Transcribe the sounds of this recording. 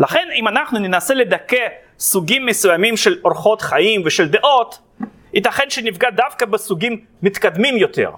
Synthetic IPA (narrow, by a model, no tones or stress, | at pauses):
laχe̞nimanaχnunenase̞le̞d̪ake | suɡimːesujamimʃeloʁχo̞t̪χaimveʃeld̪eʔo̞t̪ | it̪aχenʃenifɡad̪afkabesuɡimː | it̪kad̪mimjo̞t̪ḛʁ